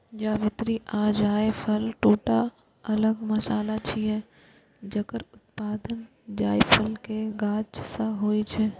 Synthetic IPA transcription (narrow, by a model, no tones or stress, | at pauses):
d͡ʒaːʋɪt̪ɾiʔaːd͡ʒaːepʰəlʈoːʈa | ɐləɡmɐsaːlat͡ʃʰiɦɛ | d͡ʒɐkəɾʊt̪̚paːd̪ən | d͡ʒaːjpʰəlkeɡaːd͡ʒsɐ̃ɦoːit͡ʃʰɛː